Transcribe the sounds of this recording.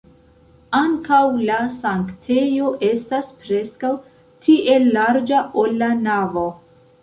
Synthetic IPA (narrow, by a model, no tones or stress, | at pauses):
aŋkawlasaŋktʰe̞jo̞ʔe̞staspɾe̞skaw | tʰiʔe̞lːaɾd͡ʒaʔo̞lːanavo̞